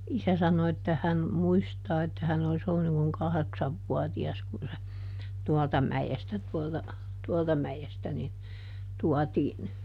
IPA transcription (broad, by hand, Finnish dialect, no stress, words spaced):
isæ sɑno etːæ hæn muistɑː etːæ hæn olis olːun niŋ kuŋ kɑheksɑʋːuɑtiɑs kun se tuɑltɑ mæjestæ tuoltɑ tuɔltɑ mæjestæ nin tuɑtiːn